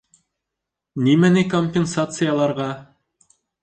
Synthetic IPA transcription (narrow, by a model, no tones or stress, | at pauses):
nimænɘkomʲpʲensat̪sɨjalˠɑɾʁɑ